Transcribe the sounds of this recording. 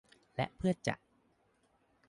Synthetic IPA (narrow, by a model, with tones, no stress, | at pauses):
lɛ̰˦˥ʔpʰɯ˥˩ət̪̚t͡ɕa̰˨˩ʔ̚